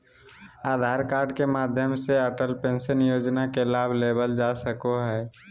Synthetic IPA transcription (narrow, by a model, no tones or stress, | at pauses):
aːd̪ʱaːɾkaːɾɖkemaːd̪ʱjəmseəʈəlpẽnsənjoːd͡ʒnakelaːbʱlebəld͡ʒasəkoɦɛː